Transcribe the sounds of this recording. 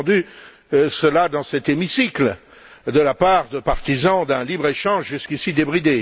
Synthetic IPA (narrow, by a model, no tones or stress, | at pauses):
d̪y | səlad̪ɑ̃sɛt̪emisikl | d̪əlapaʁd̪əpaʁt̪izɑ̃d̪ɛ̃libʁeʃɑ̃ʒʒyskʲisid̪ebʁid̪e